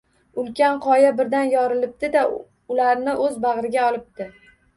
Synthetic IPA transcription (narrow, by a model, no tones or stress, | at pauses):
ʊlkʲanqʰɒjabɪɾd̪anjɒɾɪlɪp̚d̪ɪd̪a | ʊlaɾnɪʔɵzbaʁɾɪɡʲaɒlˠɪp̚t̪ɪ